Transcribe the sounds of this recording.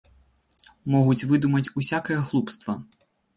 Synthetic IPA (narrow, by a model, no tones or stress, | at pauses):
mɔɦʊtʲʋɪd̪umɐtʲusʲakɛjɛxlˠupst̪ʋɐ